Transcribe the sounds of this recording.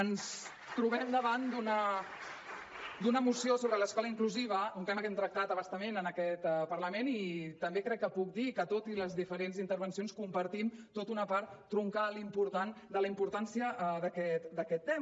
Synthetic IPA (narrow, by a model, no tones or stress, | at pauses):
əns | t̪ɾuβ̞ɛmd̪əβand̪unə | d̪unəmusiosoβɾələskɔləiŋkluziβ̞əuŋkanəkɛmt̪ɾək̚t̪at̪əβəst̪əmenənəkɛt̪pəɾləmenit̪əmbekɾɛkːəpuk̚d̪ikət̪ot̪iləzðifəɾenzint̪əɾβənsionskumpəɾt̪imt̪ot̪unəpaɾt̪ːɾuŋkalimpuɾt̪and̪ələimpuɾt̪ansiəðəkɛt̪d̪əkɛt̪ːem